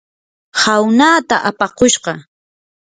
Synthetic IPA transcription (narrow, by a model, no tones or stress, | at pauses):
hawnaːt̪aʔapɑqoʃɢɑ